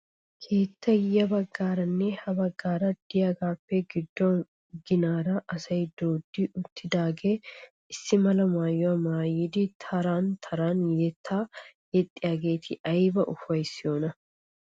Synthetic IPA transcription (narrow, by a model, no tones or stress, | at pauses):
kʰe̞ːt̪ːɐjɐbɐɡːaːɾɐnːɛhɐbɐɡːaːɾɐd̪̥ɪjaɡaːpːɛɡɪd̪ːɔ | ɡɪnaːɾɐʔɐsɐjd̪o̞ːd̪ːɪʊt̪ːɪd̪aːɡeː | ɪsːɪmɐlɐmaːjːɔɐmaːjɪd̪ɪt̪ʰɐɾaːnt̪ʰɐɾaːnjɛt̪ʰːaːjɛt̪ʼːɪjaːɡe̞ːt̪ʰɪʔɐjbɐʔʊfɐjsɪjo̞ːnɐ